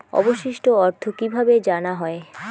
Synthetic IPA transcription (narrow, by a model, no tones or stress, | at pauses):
ɔ̰boʃiʃʈoɔɾt̪ʰokibʱabed͡ʑanaɦɔe